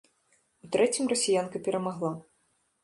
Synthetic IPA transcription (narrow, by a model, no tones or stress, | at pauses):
ut̪ɾɛt͡sʲimrɐsʲijankɐpʲɛɾɐmaɣlˠa